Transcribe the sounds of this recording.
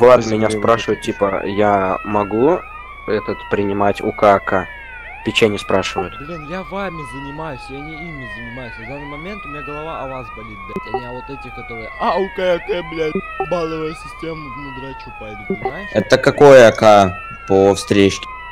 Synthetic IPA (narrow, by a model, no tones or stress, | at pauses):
vˠamʲɪnʲaspɾaʂɨvət̪̚ʲtʲːipəjamɐɡu | ɛt̪ət̪pɾʲɪnʲɪmatʲʊ̰kaka | pʲɪt͡ɕanʲɪspɾaʂɨvətʲd̪lʲinjavamʲɪzənʲɪmajʊsʲjanʲɪimʲɪzənʲɪmajʊsʲɐvd̪anːɨjmɐmʲe̞nt̪ʊmʲɪnʲaɡəlˠɐvaɐvasbɐlʲit̪̚d̪at̪ʲɐmʲɪavot̪ɛtʲɪxkɐt̪o̞ɾɨjəʔaʊkaakɛblʲa | balˠɨvəjəsʲɪsʲtʲem | nʲɪɡ̪ɾʲat͡ɕupajʲd̪ʊp̪nʲɪmajʃɛt̪əkɐkojəɐka | pofst̪ɾʲet͡ɕkʲɪ̥